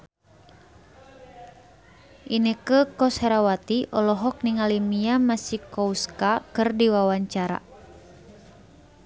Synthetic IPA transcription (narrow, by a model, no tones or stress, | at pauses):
ʔinəkəkɔsaɾawat̪iʔɔlɔɦɔk̚niŋalimiamasikɔuskakɨrdiwawaɲt͡ʃaɾa̰